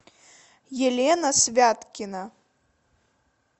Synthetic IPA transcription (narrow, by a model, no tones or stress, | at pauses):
jɛlʲɛnɐsʲvʲat̪kʲinɐ